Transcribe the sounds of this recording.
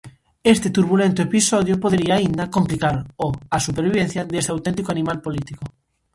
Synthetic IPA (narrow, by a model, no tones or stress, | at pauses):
est̪et̪uɾβulẽnt̪oepisoðjopoðeɾiaːind̪akomplikaɾoasupeɾβiβen̟θjaðest̪eawt̪ẽnt̪ikoanĩmalpolit̪iko